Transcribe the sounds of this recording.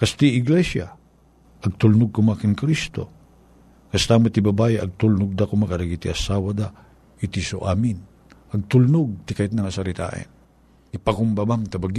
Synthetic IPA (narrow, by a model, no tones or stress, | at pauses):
kast̪iɪɡlɛsja̰ | ʔɐɡ̚t̪ʊlnʊɡ̚kʊmakɪnkɾist̪o̰ | kɐst̪aŋmat̪ibabajɪʔɐɡ̚t̪ulnʊɡ̚d̪akʊmakaɾaɡit̪iɐsawad̪a | it̪iso̰ʔamɪn | ɐɡ̚t̪ulnʊɡ̚t̪ɪkajt̪̚naŋasaɾɪt̪a̰ʔɛ̰n | ipakʊmbabamt̪abaɡ